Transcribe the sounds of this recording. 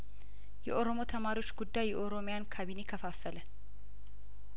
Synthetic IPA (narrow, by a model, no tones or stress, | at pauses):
jɛ̰ʔoɾomo̞t̪ʰɐmaːɾɪwo̞t͡ʃːɡʊd̪ːajːɛʔoɾomɪjankʰabinekʰɐfaːfːələ